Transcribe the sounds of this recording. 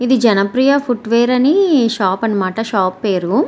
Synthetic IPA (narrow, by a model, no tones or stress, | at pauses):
id̪id͡ʒɐnɐpɾijɐpʰuʈʋeːɾɐniʃaːpɐnːɐmaːʈɐʃaːpːeːɾu